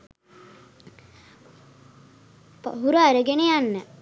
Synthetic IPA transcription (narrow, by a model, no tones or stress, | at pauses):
pɦuɾaɾəɡenejanːə